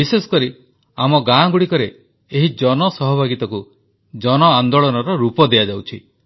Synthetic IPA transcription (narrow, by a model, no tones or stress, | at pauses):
bisesɔ̥kɔɾi | amɔɡãɡuɽikɔɾeː | ɦid͡ʒɔnɔsɔɦɔbʱaɡit̪ɔku | d͡ʒɔnɔand̪oɭɔnɔɾɔɾupɔd̪ead͡ʒawt͡ʃʰi